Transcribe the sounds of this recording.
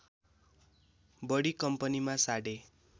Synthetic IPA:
bʌɽikʌmpʌnimasaɽe

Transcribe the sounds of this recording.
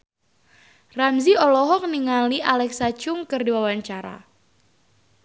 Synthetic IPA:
ramziɔlɔɦɔk̚niŋaliʔalɛksat͡ʃʊŋkɨrdiwawaɲt͡ʃaɾa̰

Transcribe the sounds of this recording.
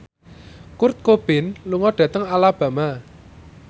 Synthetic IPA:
kurt̪̚kob̥ɪnluŋɔɖ̥ä̤t̪əŋalab̥ä̤ma

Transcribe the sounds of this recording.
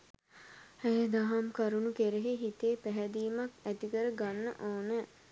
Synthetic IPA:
hæjd̪aɦamkaɾunukeɾeɦeɦit̪eːpæɦæd̪iːmakæt̪ikəɾəɡanːə̰ʔoːnə

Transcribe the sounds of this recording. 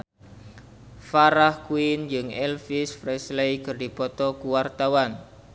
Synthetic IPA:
faɾahkuɪnd͡ʒɨŋɛlfisfɾɛslejkɨrdi̤pɔt̪ɔkuwart̪awan

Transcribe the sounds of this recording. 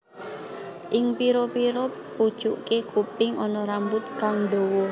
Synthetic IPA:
ʔɪŋpiɾɔpiɾɔpud̥ʒ̥uʔkekupɪŋʔɔnɔɾambʊt̪̚kaŋɖowɔ

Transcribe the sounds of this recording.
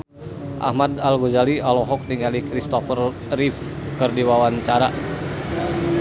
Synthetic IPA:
ʔa̰hmadalɡozalialɔɦɔk̚t̪iŋalikɾist̪ɔfər | rifkɨrdiwawaɲt͡ʃaɾa

